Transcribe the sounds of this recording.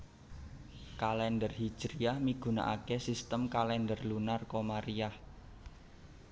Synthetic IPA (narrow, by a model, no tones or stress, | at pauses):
kalɛndərhi̥ʒ̥ɾiahmiɡ̥ṳna̰ʔa̰kesist̪əmkalɛndərlunarkomaɾiah